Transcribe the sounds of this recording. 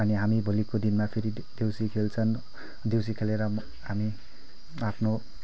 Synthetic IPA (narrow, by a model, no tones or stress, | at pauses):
ʌniɦamibʱulikod̪inmapʰeɾi | d̪ewsikʰelt͡sʰʌn | d̪ews̬ikʰeleɾʌ | ɦami | apʰno